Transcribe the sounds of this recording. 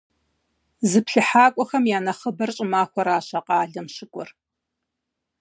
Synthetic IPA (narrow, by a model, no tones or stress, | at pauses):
zɨpɬɨħaːkʷʼɔxɐmjaːnɐχəbɐrɕʼɪmaːxʷɔɾaːɕɐqɑːɮɐmʃɪkʷʼɔ̰r